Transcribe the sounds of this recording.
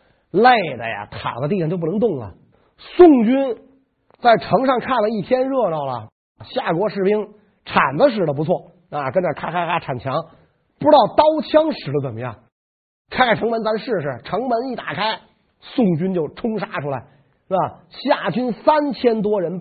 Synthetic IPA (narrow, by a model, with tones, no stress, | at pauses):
le˥˩ɪd̪ə̰˩ja̰˩t̪ʰa̰˨˩ŋd̪ə˦t̪i˥˧˨ŋt͡ɕjo˥˧p̬̪ŋt̪ʊ˥˩ŋlə̰˩ | sʊ˥˩ŋt͡ɕy˥n | t͡sa˥˩ɪʈ͡ʂʰɤ˧˥ŋʂɑ˥˧ŋkʰa˥˩nd̪ə˩i˥˩t̪ʰjɛ˥nɻɤ˥˧lɑ˥˩ʊlə̰˩ | ɕja˥˩kwɔ˧˥ʂɻ̩˥˩pi˥ŋ | ʈ͡ʂʰa̰˨˩nd̪ə˦ʂ̬ɻ̩˥˩də˩p̬u˧˥t͡sʰwɔ˥˩ | a˧˩kə˥nʈ͡ʂə˨˩kʰa˥kʰa˥kʰa˥ʈ͡ʂʰa˨˩nt͡ɕʰjɑ˧˥ŋ | pu˧˥ɾɑ˥˩ʊt̪ɑ˥ʊt͡ɕʰjɑ˥ŋʂɻ̩˨˩də˦˩t͡sə˨˩nmə˦jɑ̰˥˩ŋ | kʰa˥ɪkʰa˥ɪʈ͡ʂʰɤ˧˥ŋmə˧˥nt͡sa˧˥nʂɻ̩˥˩ʂɻ̩˥˧˩ʈ͡ʂʰɤ˧˥ŋmə˧˥ni˥˩t̪a˨˩kʰa˥ɪ | sʊ˥˩ŋt͡ɕy˥nt͡ɕjo˥˩ʊʈ͡ʂʰʊ˥ŋʂa˥ʈ͡ʂʰu˥la˧˩ɪ˥˧˩ | ɕja˥˩t͡ɕy˥nsa˥nt͡ɕʰjɛ˥nt̪wɔ˥ɻə˧˥n